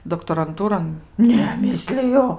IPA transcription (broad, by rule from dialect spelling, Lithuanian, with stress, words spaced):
doːktoːrɐnˈtuːroːn ˈnʲɛ ˈmʲɪsʲlʲɪjʊ